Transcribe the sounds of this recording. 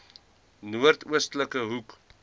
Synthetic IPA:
nuərtuəstləkəɦuk

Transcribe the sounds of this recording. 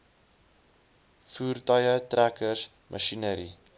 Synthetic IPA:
fuːrtajətɾækəɾs | mʔə̰ʃinəɾi

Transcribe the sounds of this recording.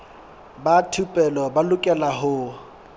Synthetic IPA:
batʰupʼɛlɔbalʊkʼɛlaɦʊ

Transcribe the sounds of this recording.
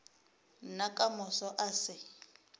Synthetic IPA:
nakʼamʊsɔʔasɪ

